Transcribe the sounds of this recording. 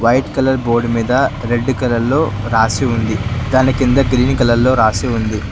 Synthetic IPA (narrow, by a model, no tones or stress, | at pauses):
ʋɐjʈkɐlɐɾbo̞ːɾɖmiːd̪ɐɾe̞ɖːkɐlɐɾlo̞ːɾaːseund̪id̪aːnikind̪ɐɡɾiːnkɐlɐlːo̞ːɾaːseːund̪i